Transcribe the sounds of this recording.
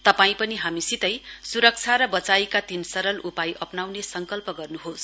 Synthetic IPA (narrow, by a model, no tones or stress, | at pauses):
t̪ʌpaĩpʌniɦamisit̪ʌjsuɾʌk̚t͡sʰaɾʌbʌt͡sajkat̪insʌɾʌlʔupajʔʌpnawnesʌŋkʌlpʌɡʌrnuɦos